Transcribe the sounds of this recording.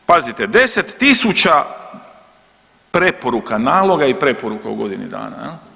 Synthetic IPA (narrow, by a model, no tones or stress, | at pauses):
pazit̪ed̪e̞set̪ːisut͡ʃa | pɾe̞poɾukanaːlˠo̞ɡaipɾe̞poɾukaṵɡo̞d̪inḭd̪a̰ːna̰jɛl